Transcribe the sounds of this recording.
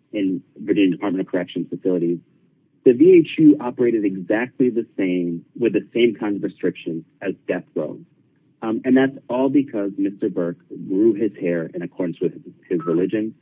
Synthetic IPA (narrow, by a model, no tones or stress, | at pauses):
ɨ̃nvə˞d͡ʒɪ̃ndɨpʰɑɹt̚mɨ̃ñɾʌkʰə˞ɛkʃɨ̃n̩fəsɪlˠəɾiz | ðɨvieɪt͡ʃʉʔɑpə˞eɪɾɨɾɨɡzæk̚tʰˡliðɨsẽɪ̃mwɨðɨsẽɪ̃mkʰãɪ̃ndʌvɹɨstɹ̥ɪkʃɨ̃nzɨzdɛθɡ̥ɹõ̰ʊ̃nz̥ | ɨ̃nðætsɔlˠbɨkʰʌzmɪstə˞bɜ˞kɡɹʉɪz̥hɛɹɨ̰̃ñɨkʰɔɹdⁿn̩swɨð̥ɪzɹəlɪd͡ʒɨ̃n